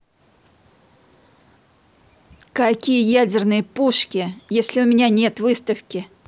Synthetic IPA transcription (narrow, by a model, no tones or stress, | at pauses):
kɐkʲijəjædʲɪrnɨjəpuʂkʲɪjesʲlʲɪʊmʲɪnʲanʲe̞t̪vɨst̪əfkʲɪ